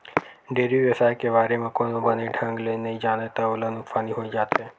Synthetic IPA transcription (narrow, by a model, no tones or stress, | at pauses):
ɖeɾiʋəsajkeʋaɾemãkonobəneɖʱãŋɡlenəĩd͡ʒanet̪aolənukfaniɦoid͡ʒat̪e